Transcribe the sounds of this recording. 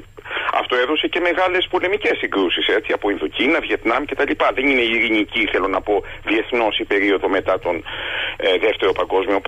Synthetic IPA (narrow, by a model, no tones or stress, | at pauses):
ɐ̰ft̪o̞e̞ðo̞se̞ce̞me̞ɣɐle̞spo̞le̞mice̞sːiŋɡɾusise̞t͡siɐpo̞inðucinɐvje̞t̪nɐmce̞t̪ɐlipɐðe̞nine̞iiɾiniciθe̞lo̞nɐpo̞vie̞θno̞sipe̞ɾio̞ðo̞me̞t̪ɐt̪o̞n | ðe̞ft̪e̞ɾo̞pɐŋɡo̞zmio̞p